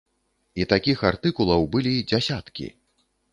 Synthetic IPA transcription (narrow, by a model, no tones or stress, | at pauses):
it̪akʲixart̪ɨkulˠɐwbɨlʲid͡zʲasʲat̪kʲḭ